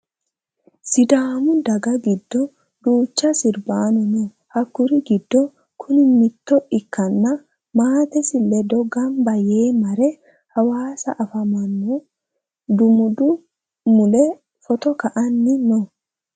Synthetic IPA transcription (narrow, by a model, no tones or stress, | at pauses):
sɪd̪aːmʊd̪ɐɡɐɡɪd̪ːɔ | d̪uːt͡ʃːɐsɪɾbaːnɔnɔ | hɐkːʊɾɪɡɪd̪ːɔ | kʰʊnɪmɪt̪ːɔʔɪkːɐnːɐ | maːt̪ɛsɪlːɛd̪ɔɡɐmbɐjeːmɐɾɛ | hɐwaːsɐ̰ʔɐfɐmɐnːo | d̪ʊmʊd̪ʊ | mʊlɛ | fɔt̪ɔkɐʔɐnːɪnɔ